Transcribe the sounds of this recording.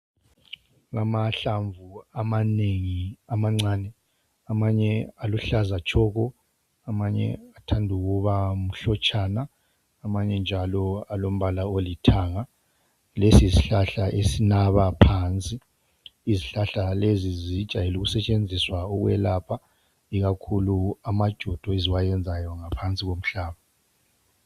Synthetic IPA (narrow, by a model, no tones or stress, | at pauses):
ɣamaɬaɱvuamaneŋiamaŋ͡ǀaːnɛ | amaɲɛaluɬazat͡ʃʰʼɔɣɔ | amaɲɛ̰atʰandʱuɣuβam̩ɬɔt͡ʃʼanaː | maɲɛnd͡ʒʱalɔalom̩βalaolitʰaːŋa | lesiziɬaɬaʔesinaβapʰaːnt͡sʼiː | ziɬaɬalezizid̥ʒ̥ʱajeluɣusɛt͡ʃʼend͡zʱiswaɔɣwɛ̰lapʰa | iɣakʰuluamad̥ʒ̥ʱɔd̥ʱɔeziwajɛnd͡zʱajɔŋapʰant͡sʼiɣom̩ɬaːβa